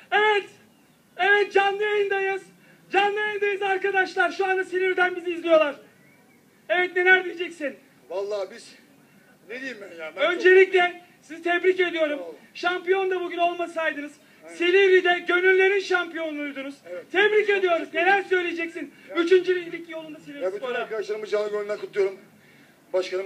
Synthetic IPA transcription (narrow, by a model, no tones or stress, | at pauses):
evɛt̪ | e̞vɛt̪̚d͡ʒanlːˠɯalʲind̪ajɯz̥ | d͡ʒanːˠɯajʲind̪ajɯzaɾkad̪aʃlˠaɾʃuand̪asilʲivid̪ænbiziːzlʲijo̞lˠaɾ | evɛt̪ne̞lʲæɾd̪ijed͡ʒɛcsin | lˠː | ø̞nd͡ʒe̞lʲiclʲɛ | sizit̪ʰɛbɾice̞d̪ijo̞ɾumʃampijo̞nd̪abuɟyno̞lˠmasajd̪ɯnɯz̥ | selʲiɾid̪ɛɟø̞nylʲːe̞ɾinʃampijo̞nunujd̪unuz̥t̪ʰɛbɾice̞d̪ijo̞ɾuzne̞lʲæɾsø̞jlʲejed͡ʒɛcsinyt͡ʃʰynd͡ʒylʲijlʲicːjolˠund̪asilʲivioɾaɾkad̪aʃlˠaɾɯmbd͡ʒanˠɯɟønylʲækʰut̪ʰujo̞ɾum | baʃkan